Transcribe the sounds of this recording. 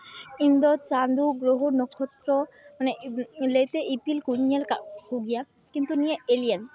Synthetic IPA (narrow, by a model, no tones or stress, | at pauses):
ind̪ɔt͡ɕand̪uɡɾoɦunɔkʰɔt̪ɾɔmanelejt̪eʔipilkuɲjalkahuɡija | kint̪unijeelian